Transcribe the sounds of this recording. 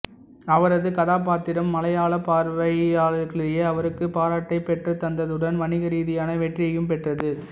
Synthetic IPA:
ɐʋɐɾɐðɯkɐðaːp̬aːɾt̪ɪɾɐmːɐlɐjaːɭɐpaːɾʋɐɪaːlɐkɐɭɪjeːɐʋɐɾɯkːɯpaːɾaːʈːɐɪpɛʈrɐt̪ːɐnd̪ɐðɯɽɐnʋɐnɪɣɐɾiːðɪjaːnɐʋɛʈrɪjɐjɯmpɛʈrɐðɯ

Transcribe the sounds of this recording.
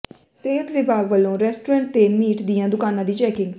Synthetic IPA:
seːɦət̪ʋɪbʱaːɡʋəlːõːɾɛːsʈuːɾɛ̃ːɳʈ̚t̪eːmiːʈd̪ijãːd̪ʊkaːnãːd̪iːt͡ʃɛːkɪ̃ŋɡ

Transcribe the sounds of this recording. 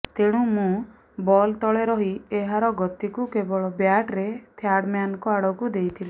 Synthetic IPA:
t̪eɽ̃ũmũ | bɔlt̪ɔɭeɾɔɦieɦaɾɔɡɔt̪ikukebɔɭɔbjaʈɾet̪ʰjaɽmjanɔkɔaɽɔkud̪ejt̪ʰili

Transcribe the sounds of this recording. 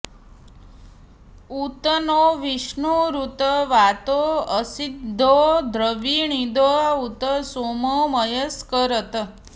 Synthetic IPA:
ut̪ənoʋiʃɳuɾut̪əʋat̪oəsid̪ʱːod̪ʱɾəʋiɳid̪oaut̪əsomoməjəskəɾət̪ə

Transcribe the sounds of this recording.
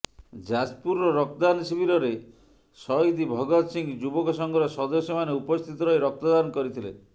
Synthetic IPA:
d͡ʒad͡ʒpuɾːɔɾɔkd̪ansibiɾɔɾe | sɔjd̪ibʱɔɡɔt̪siŋd͡ʒubɔkɔsɔŋɡɔɾɔsɔd̪ɔsjɔmaneupɔst̪ʰit̪ɔɾɔjɾɔk̚t̪ɔd̪anɔkɔɾit̪ʰilḛ

